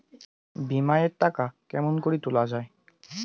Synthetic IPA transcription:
bimajetːakakɛmonkoɹitʊlazaj

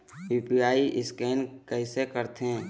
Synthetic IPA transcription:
iːpiaːiʔɪskɛːnkɛɪsekəɾt̪ɦẽː

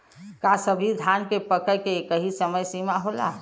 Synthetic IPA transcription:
kasəbʱid̪ʱankepəkəjkeːkəɦisəməjsimaɦola̰

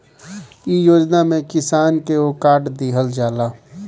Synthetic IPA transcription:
ijoːd͡ʒnamẽkɪsaːnkeokaːʈd̪iɦəld͡ʒaːlaː

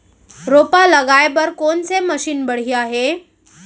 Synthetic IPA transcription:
ɾopaləɡajbəɾkont͡seməɕiːnbəɽ̤iaɦe

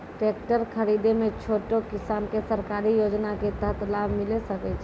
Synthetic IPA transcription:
ʈek̚ʈəɾkʰəɾid̪emẽt͡ʃʰoːʈokɪsaːnkesəɾkaɾijod͡ʒnaket̪əɦt̪labmɪlesəkɛt͡ʃʰ

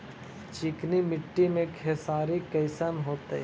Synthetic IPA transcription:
t͡ʃɪknimɪʈːimẽkʰesaːɾikɐɪsənɦoːt̪e

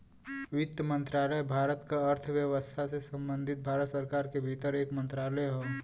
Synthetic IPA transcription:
wɪt̪jəmə̃nt̪ɾaːləjbʱaːɾət̪kaəɾt̪ʰʋjəʋəst̪ʰasesə̃mbə̃nd̪ʱɪt̪̚bʱaːɾət̪səɾkaːɾkebʱit̪əɾeːkmə̃nt̪ɾaːləɦoː

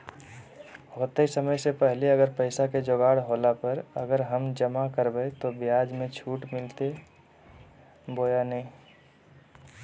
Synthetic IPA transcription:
hoːt̪eisəməjsepɛɦleəɡəɾpəɪsaked͡ʒoːɡaːɽɦoːlapəɾə̰ɡəɾɦəmd͡ʒəmakəɾbəet̪objaːd͡ʒmẽt͡ʃʰuːʈmɪlt̪e | boːjanəĩ

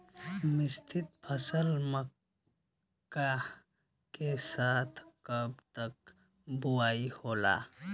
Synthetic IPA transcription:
mɪst̪ʰɪt̪̚pʰəsəlmə | kːa | kesaːt̪ʰkəb̚t̪ək̚ | bʊaːihoːla̰ː

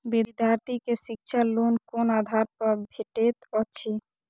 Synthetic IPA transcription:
bid̪jaɾt̪ikeʃikʃʰalonkonad̪ʱaɾpɔɾbʱeʈet̪ɔt͡ɕʰe

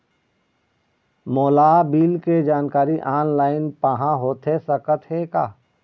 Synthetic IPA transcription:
moːlaːbiːlked͡ʒaːnkaːɾiʔaːnlaːɪnpaɦãɦoːt̪esəkət̪ɦekaː

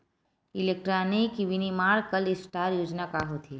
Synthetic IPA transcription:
ilek̚ʈɾanikʋinimaːɾkəlɪsʈaːɾjoːd͡ʒnakaɦot̪ʰi

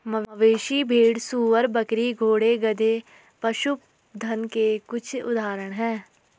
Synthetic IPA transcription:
məəʋeːʃibʱiːɽsuːʋəɾbəkɾiɡʱoːɽeɡəd̪ʱe | pɐʃʊp | d̪ʱənkekʊt͡ʃʰʊ̰d̪aːɾəɽ̃ɦɛ̃ː

